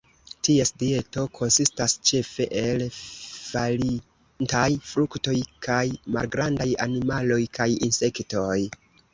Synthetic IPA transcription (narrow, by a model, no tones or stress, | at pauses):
tiesdie̞to̞kʰo̞nsistast͡ʃe̞fe̞ʔe̞lvali | ntajfɾukto̞jkʰajma̰lɡɾandajanimalo̞jkajinse̞kto̞j